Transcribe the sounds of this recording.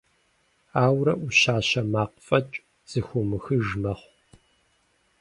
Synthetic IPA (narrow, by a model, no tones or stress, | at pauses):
aːwɾɐʔuʃaːɕɐmaːqfʼɐt͡ʃʼ | z̥ɨxʷʊmɨxɨʒmɐχʷ